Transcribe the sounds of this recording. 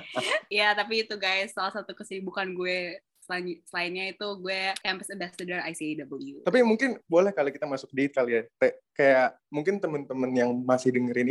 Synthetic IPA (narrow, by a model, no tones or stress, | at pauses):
jat̪ap̬iːt̪uɡaɪsːalahsat̪ukəsibukanɡuɛ | səlaɲsəlaɪnɲait̪uɡuɛkɛmpəsɛmbasədəraisiadabəɡit̪ut̪apimuŋkɪnbolɛhkalokit̪amasʊk̚diɪt̪̚kaliat̪akajaʔ | muŋkɪnt̪əmənt̪əmənjaŋmasɪhdəŋəɾɪn